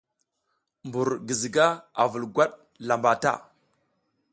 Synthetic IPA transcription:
mbu˨ɾɡi˨zi˨ɡa˦a˨və˨lɡʷa˦ɗ | la˨mba˨ta̰˦

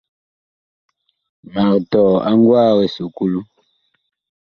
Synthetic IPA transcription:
ma˨ʁtɔ˨a˦ŋɡwa˦ɣe˨su˨ku˦lu˦

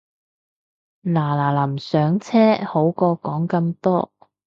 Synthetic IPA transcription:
laː˨˩laː˨˩lɐ˨˩msœː˨˧˥ŋt͡sʰɛː˥ho˨˥wkɔː˧kɔː˨˥ŋkɐ˧mt̪ɔː˥

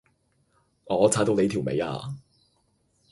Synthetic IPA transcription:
ɔː˨˧t͡sʰaː˨˥t̪o˨˧wne˨˧jt̪ʰi˨˩wmḛ˨˧ja̰ː˧

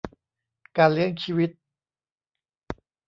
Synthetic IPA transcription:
kaː˧nli˦˥əŋt͡ɕʰiː˧wi˦˥t̪̚

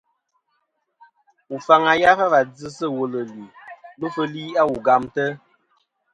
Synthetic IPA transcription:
u˨fa˨ŋa˨ja˦fa˦va˨d͡zɨ˦sə˦˨wo˨lə˨li˨lo˦fə˦liː˦a˦wu˨ɡa˨mtə˦

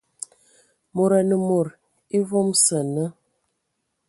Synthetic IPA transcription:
mo˨ɾa˨nə˨mo˨ɾ | i˦vɔ˦msə˨nə˦

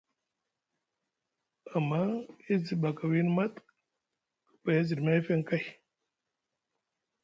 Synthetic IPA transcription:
a˨mːa˦i˦zi˨ba˨ka˨wi˦n˦ma˦t | kə̥˨pa˨ja˦zi˨dma˦fe˦ŋka˦j

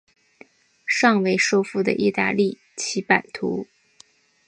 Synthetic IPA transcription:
ʂɑ˥˧ŋwe˧˩ɪʂo˥ʊfu˥˩d̪ə̰˩ʔi˥˧t̪a̰˥˧li˥˩ | t͡ɕʰi˧˥pa˨˩nt̪ʰṵ˧˥

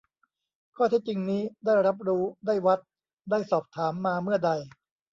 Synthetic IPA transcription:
kʰɔː˥˩t̪ʰɛ˦˥t͡ɕi˧ŋniː˦˥daː˥˩jɾa˦˥p̚ɾuː˦˥daː˥˩jwa˦˥t̪̚ | daː˥˩jsɔː˨˩p̚t̪ʰaː˩˦mːaː˧mɯ˥˩ɐda˧j

